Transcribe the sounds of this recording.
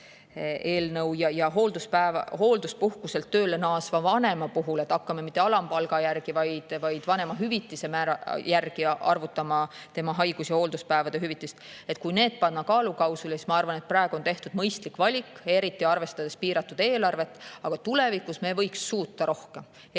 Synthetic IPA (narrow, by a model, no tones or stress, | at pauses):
e̞ːlnɤwjɑjɑɦo̞ːld̪uspæevho̞ːld̪uspuhkuse̞lt̪ːø̞ːlenɑːsvɑvɑne̞mɑpuɦule̞t̪ːˑɑkːɑmemit̪ːˑe̞ɑlɑmpɑlɡ̥ɑjærɡ̥ivɑjd̪̥vɑjd̪̥vɑnemɑɦyvit̪ːˑise̞mæːɾɑjærɡ̥iɑ̰rvut̪ːɑmɑt̪e̞mɑɦɑjɡ̥usjɑhoːld̪uspæːvɑd̪̥e̞ɦyvit̪ˑːist̪ | e̞t̪̚kujne̞ːd̪̥̚pɑnːɑkɑːlukɑwsulesismɑɑrvɑne̞t̪̚pɾɑe̞ɡ̥uont̪e̞ht̪ud̥̪mɤjst̪likvɑlʲike̞ɾit̪ːˑiɑrve̞st̪ɑd̪̥e̞spiːɾɑt̪ːˑud̪̥e̞ːlɑrve̞t̪ːˑɑɡ̥ɑt̪ule̞vikːˑusme̞vɤ̞jksːuːt̪ːɑɾo̞hke̞m